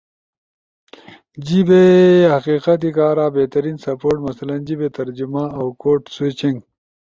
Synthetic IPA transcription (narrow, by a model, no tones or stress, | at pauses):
d͡ʑibehɐqiːqɐt̪̬ikaːɾaːbeːt̪ɐɾiːnsɐpoːɾʈmɐsɐlɐnd͡ʑibet̪ɐɾd͡ʑumãɐwkoːʈswet͡ɕiŋɡ